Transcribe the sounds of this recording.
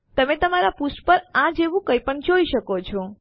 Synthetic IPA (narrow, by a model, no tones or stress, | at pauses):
t̪əmet̪əmaɾapusʈpəɾãd͡ʒeʋũkəjpəɳd͡ʒoiʃəkot͡ʃʰɔ